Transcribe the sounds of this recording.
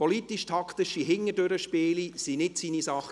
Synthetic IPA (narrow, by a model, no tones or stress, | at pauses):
pʰɔlit̪iʃtʰɑkt̪ɪʃiɦɪŋːədøɾəʃpeːlisinɪtsiːnisɑχ